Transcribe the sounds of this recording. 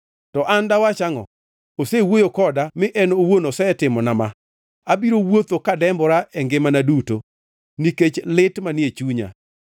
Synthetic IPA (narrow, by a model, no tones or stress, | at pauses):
tɔʔandawat͡ʃaŋɔ̰ | osewojokɔdamɪʔɛnowonosɛtɪmɔnama | abiɾowot̪okadɛmbɔɾaʔɛŋɡɪmanaduto | niket͡ʃlɪtmanɪet͡ʃuɲa̰